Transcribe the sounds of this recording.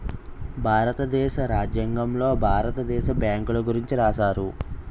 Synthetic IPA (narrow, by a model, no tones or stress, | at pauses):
bʱaːɾɐt̪ɐd̪ɛːʃɐɾaːd͡ʒjɐŋɡɐmlo̞ːbʱaːɾɐt̪ɐd̪ɛːʃɐbjaːŋkulɐɡuɾiɲt͡ʃiɾaːʃaːɾu